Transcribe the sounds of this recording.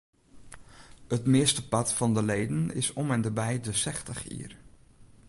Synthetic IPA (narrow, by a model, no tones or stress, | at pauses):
ətmɪəstəpɑtfɑndəlejdənɪ̰sɔmɛndəbɛjdəsɛxtəχḭːər